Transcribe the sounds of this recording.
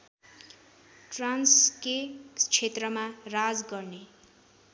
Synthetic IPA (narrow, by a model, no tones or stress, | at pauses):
ʈransket͡sʰet̪rʌmarad͡zɡʌrne